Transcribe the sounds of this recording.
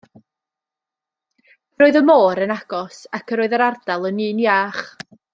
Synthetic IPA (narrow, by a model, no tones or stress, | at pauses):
ɾoːɨðəmoːɾənaɡ̥ɔsakʰəɾoːɨðəɾard̥alˠənɨːnjaːχ